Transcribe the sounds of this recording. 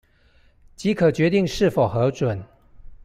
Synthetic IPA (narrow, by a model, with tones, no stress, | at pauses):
t͡ɕi˨˥kʰə˨˩t͡ɕɥɛ˧˥t̪i˥˨ŋʂɻ̩˥˩fo˨˩ʊxɤ˨˥ʈ͡ʂwə˨˩˦n